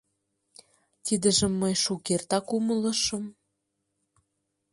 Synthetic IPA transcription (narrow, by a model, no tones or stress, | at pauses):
t̪id̪ə̆ʒə̆mːəjʃukert̪ɑkumələ̆ʃəm